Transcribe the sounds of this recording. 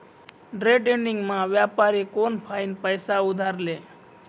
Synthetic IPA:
ɖɾeɖeɳɖɪŋɡmãʋjapaɾekonpʰainpəjsaʊd̪ʱaɾleː

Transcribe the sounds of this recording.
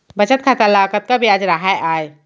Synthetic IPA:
bət͡ʃət̪̚kʰat̪əlakət̪̚kabʱiad͡ʒɾəɦaeʔaj

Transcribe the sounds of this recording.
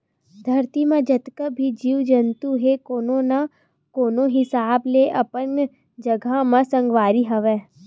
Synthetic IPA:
d̪ʱɐɾt̪imãd͡ʒɐt̪kəbʱid͡ʒiːʋd͡ʒɐnt̪uɦekoːnõna | koːnõɦɪsaːbleʔɐpən | d͡ʒɐɡʱamãsɐ̃ŋɡʋaːɾiɦɐʋɛ̃ː

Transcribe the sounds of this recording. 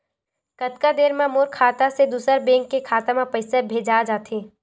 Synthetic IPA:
kɐt̪kad̪eːɾmãmoːɾkʰaːt̪ased̪uːsəɾbẽːŋkːekʰaːt̪ãmãpɐɪsebʱeːd͡ʒad͡ʒaːt̪ʰẽː

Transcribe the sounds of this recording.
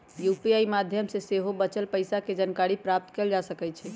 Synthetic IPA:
jupiaimad̪ʱjəmseseɦobət͡ʃəlpəjsaked͡ʒənkaɾipɾap̚t̪keld͡ʒasəkɛt͡ʃʰɛ

